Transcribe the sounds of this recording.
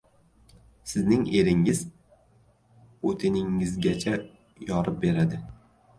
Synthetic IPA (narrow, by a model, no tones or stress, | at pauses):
sɪznɪŋe̞ɾɪŋɪz̥ | ot̪ʰɪnɪŋːɪzɡʲat͡ʃʰa | jɒɾɪp̚be̞ɾad̪ɪ